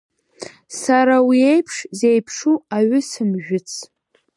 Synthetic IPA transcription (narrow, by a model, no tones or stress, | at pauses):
saɾawiejpʰʂzejpʰʂuaɥʏsɨmʒᶣʊt͡sʰ